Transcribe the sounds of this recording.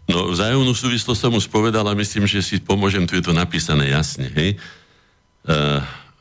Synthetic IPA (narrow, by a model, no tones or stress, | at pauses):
nɔvzaːjɔmnuːsuːʋislɔssɔmuʃpɔʋɛd̪alamisliːmʒɛsipɔmʊɔʒɛmt̪ujɛt̪ɔnapiːsanɛ̰ːjasɲɛɦɛj